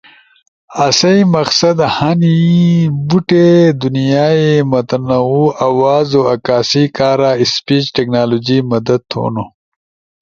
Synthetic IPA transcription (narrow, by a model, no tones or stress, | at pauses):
ɐsɐjmɐksɐd̪hɐnibuʈed̪unijaːemɐt̪ɐnɐuːɐwaːzoɐkaːsiːkaːɾaːispiːt͡ʃʈeknaːloːd͡ʑiːmɐd̪ɐd̪̚t̪ʰo̰ːno